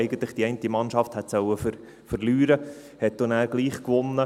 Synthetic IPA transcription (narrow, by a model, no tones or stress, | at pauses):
ɛɪɡən̩t̪lɪχd̥iɛɪntimɑnʃɑfthɛt̪sœwəfəɾ | fəɾlyːɾə | hɛt̚d̥̪onæːɾɡ̥liːχkʋʊnːə